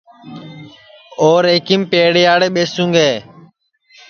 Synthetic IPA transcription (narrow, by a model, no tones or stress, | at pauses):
oːɾeːkiːmpeːɽjaːɽeːɓeːsũːŋɡeː